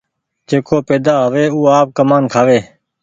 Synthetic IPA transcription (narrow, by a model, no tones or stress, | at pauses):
d͡ʒeːkʰoːpeːd̪aːɦəʋeːuːaːp̚kəmaːnkʰaːʋeː